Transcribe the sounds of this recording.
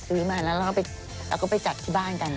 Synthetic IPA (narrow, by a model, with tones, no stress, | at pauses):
sɯː˦˥maː˧˩˨na˦˥ɾa˧kaː˥˩pa˧˨j | ɾwkɔː˥˩pa˨jt͡ɕa˨˩t̪ʰːiː˥˩baː˥˩nka˧n